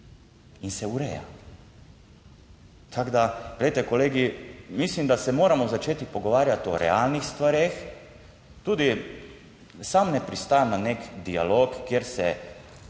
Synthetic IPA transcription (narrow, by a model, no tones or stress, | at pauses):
insɛuɾeːja̰ | t̪ʰaɡd̪aɡ̥lejt̪ɛkoleːɡimislimd̪asɛmoːɾamɔzat͡ʃeːt̪ipɔɡoʋaːɾjat̪ɔɾɛ̰alnixst̪ʋaɾeːx | t̪uːd̪i | samnɛpɾist̪aːjamnanekd̪ialoːkːjeɾsɛ